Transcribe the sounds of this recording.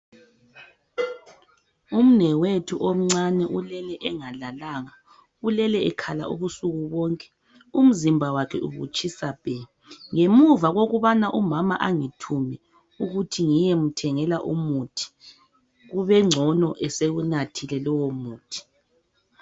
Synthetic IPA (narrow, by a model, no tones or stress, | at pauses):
um̩nɛwetʰuʔom̩ŋ͡ǀanɛʔulɛlɛʔɛŋalalaːŋa | ulɛlɛɛkʰala̰ʔṵβusuɣuβɔŋkʼɛ̥ | um̩zimbʱawakʰɛ̰ʔṵβṵt͡ʃʼisab̥ʱɛ | ŋemuvaɣoɣuβanaʔumamaʔaŋitʰumɛ | uɣutʰiŋijɛm̩tʰɛŋɛlaʔumutʰi̥ | ɣuβɛŋ͡ǁʱɔnɔʔɛseɣunatʰilɛlɔwɔmuːtʰi̥